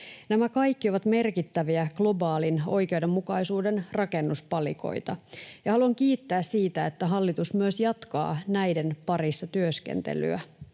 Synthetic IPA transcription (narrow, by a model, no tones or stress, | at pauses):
næmækɑjkːio̞ʋɑt̪me̞rkit̪ːæʋiæɡ̥lo̞bɑːlino̞̰jk̟eude̞mːukɑjsuːde̞nrɑke̞nːuspɑlḭko̞̰jt̪ɑjɑhɑluɑŋkiːt̪ːæːssiːt̪æet̪ːæɦɑlːit̪usmyøsjɑt̪kɑ̰ːnæjde̞npɑrisːɑt̪yøskḛnt̪ḛly̰æ̰